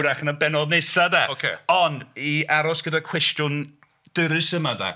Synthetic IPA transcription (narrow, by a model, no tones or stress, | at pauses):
ɾaχənənbɛnɔdnesadɛokʰeɔndiaɾɔsɡ̥ədakʰw̥ɛstjʊn | d̥ɨɾɨsəmada̰